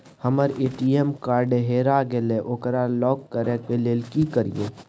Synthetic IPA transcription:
həməɾeːʈiemkaːɾɖeɦeːɾaɡeleʔoːkəɾalɔːkːəɾekeleːlkikəɾḭjeː

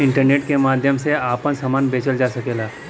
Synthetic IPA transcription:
ɪɳʈəɾneʈkemaːd̪ʱjəmseapəɳsəmanbet͡ʃəld͡ʒasəkelaː

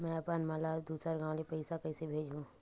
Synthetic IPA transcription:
mɛ̃ɐpanmaːlad̪uːsəɾɡãːw̃lepɐɪsakɐɪsebʱeːd͡ʒũː

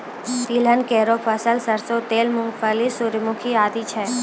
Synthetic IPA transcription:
t̪ilənkɛɦɾofʰəsəlsəɾsot̪elmʊŋɡfəlisuɾmukʰiad̪it͡ʃʰe

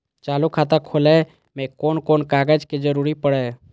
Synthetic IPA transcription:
t͡ʃaːlukʰaːt̪akʰoːlɛ | mẽkoːnkoːnkaːɡəd͡ʒked͡ʒəɾuːɾipəɽɛː

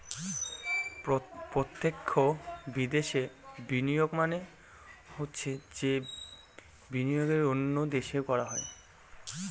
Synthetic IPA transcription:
pɾot̪ːekʰːobid̪eʃebinijoɡmane | hotːɕʰed͡ʑe | binijoɡeɾonːod̪eʃekɔɾaɦɔe

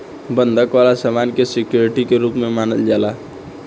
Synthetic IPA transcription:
bənd̪ʱəkʋalasamankesikjoɾiʈikeɾupmemanəld͡ʒala

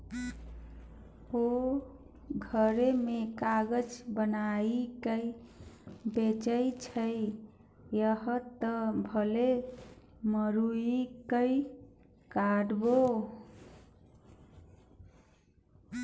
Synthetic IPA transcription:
o | ɡʱəɾemekaɡəd͡ʒbənaikəj | bet͡ʃəjt͡ʃʰəj | jəɦət̪əbʱəle | məɾuikəj | kaɖbo

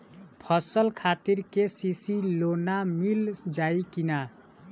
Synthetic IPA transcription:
pʰʌsəlkʰat̪iɾkesisilonamild͡ʒaikina

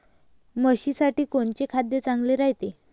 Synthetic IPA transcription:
məɕisaʈiːkoɳt͡ɕekʰad̪jət͡saŋɡleɾajt̪e

